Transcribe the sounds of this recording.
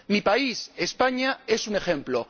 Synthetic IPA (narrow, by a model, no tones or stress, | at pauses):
mipaisespaɲae̞sune̞xe̞mplo